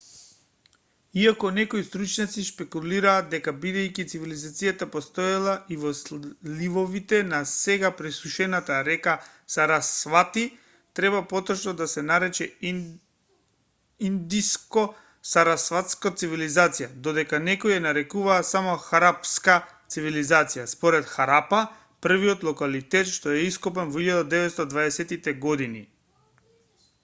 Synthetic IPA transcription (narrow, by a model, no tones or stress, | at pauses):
iakɔnɛkoist̪ɾut͡ʃnat̪sispɛkuliɾaːd̪̚d̪ɛkabid̪ajkit̪sivilizat̪sijat̪apost̪ojalˠaʔivɔslivɔvit̪ɛnasɛɡapɾɛsuʃɛnat̪aɾɛkasaɾasvat̪i | t̪ɾɛβapɔt̪ɔʃnɔd̪asɛnaɾɛt͡ʃɛ | ind̪iskɔ | saɾasvat̪skat̪sivilizat̪sijad̪od̪ɛkanɛkɔjɛnaɾɛkuvaːsamoxaɾapskat̪sivilizat̪sijaspɔɾɛt̪xaɾapa | pr̩vijot̪lˠɔkalit̪ɛt̪ʃt̪ɔɛiskɔpɛnvɔilʎːad̪ad̪ɛvɛt̪st̪ad̪vaɛsɛt̪it̪ɛɡɔd̪inḭ